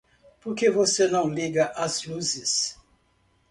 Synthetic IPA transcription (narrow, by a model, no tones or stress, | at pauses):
poɾkevosenɐ̃w̃liɡɐʔazluzɪs